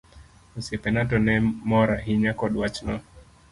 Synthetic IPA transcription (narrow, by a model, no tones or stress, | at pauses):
usɛpɛnatɔnɛmɔɾaɦiɲakɔɗwat͡ʃnɔ